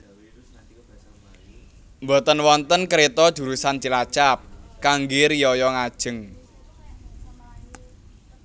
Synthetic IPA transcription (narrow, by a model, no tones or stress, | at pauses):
mbɔt̪ənwɔnt̪ənkəɾet̪ɔd̪̥ṳɾusant͡ʃilat͡ʃap̚kaŋɡɪɾijɔjɔŋad̥ʒ̥ə̤ŋ